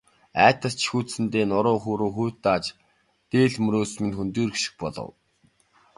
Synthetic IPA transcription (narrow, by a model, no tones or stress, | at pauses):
æːt̪ə̆st͡ɕʰi̥xuːt͡s̪sɘ̆nt̪eːnʊɾʊːxuːɾoːxuːt̪ːaːt͡ɕ | t̪eːɮmɵɾoːsmɘ̆nt̪xunt̪uːɾikʃɪ̥̆x̚pɔɮɞ̰̆w